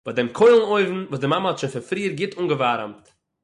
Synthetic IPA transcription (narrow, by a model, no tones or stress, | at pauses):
b̥adɛmkʰoɪlˠn̩oɪvn̩vuːsdɪmaməhɔtʃɪfɪfɾiːəɾɡɪtʰuːŋɡəvaɾəmt